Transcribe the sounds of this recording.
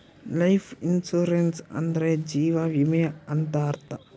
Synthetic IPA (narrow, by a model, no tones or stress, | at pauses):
lɐjfinsuɾensɐ̰nd̪ɾed͡ʒiːʋaʋimeɐnt̪aːɾt̪a